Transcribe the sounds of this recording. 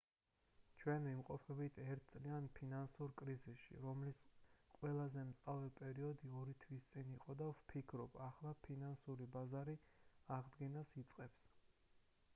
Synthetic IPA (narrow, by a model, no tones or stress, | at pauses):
t͡ʃʰwɛnimqʼɔpʰɛbit̪ʰɛɾt̪̚ʰt̪sʼlianpʰinansuɾkʼɾizisʃḭɾɔmlisqʼwɛlˠazɛmt̪sʼavɛpʼɛɾiɔd̪iɔɾit̪ʰwist̪sʼiniqʼɔd̪avpʰikʰɾɔb̥aχlˠapʰinansuɾibazaɾiaʁd̪ɡɛnasit̪sʼqʼɛps